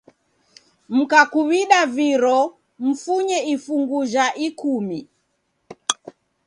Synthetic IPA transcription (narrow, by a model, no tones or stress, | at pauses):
m̩kakuβiɗaviɾɔ | m̩fuɲɛifuŋɡuʒaʔikumi